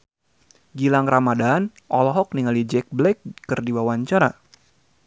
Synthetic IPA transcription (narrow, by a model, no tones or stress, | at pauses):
ɡilaŋramadan | ʔɔlɔɦɔk̚niŋalid͡ʒɛk̚blɛk̚ːɨrdiwawaɲt͡ʃaɾa